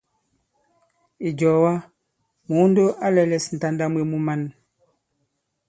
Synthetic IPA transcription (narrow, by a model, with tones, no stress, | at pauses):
i˨d͡ʒɔ˨wa˦ | mu˨˦n˦do˦ʔa˦lɛ˨lɛ˨sn̩˨ta˦nda˦mwe˨mu˦ma˦n